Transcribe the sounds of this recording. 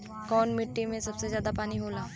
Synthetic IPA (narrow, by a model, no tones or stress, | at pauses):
kɔːnmɪʈːimẽsɐbsezjaːd̪apaːniɦoːlaː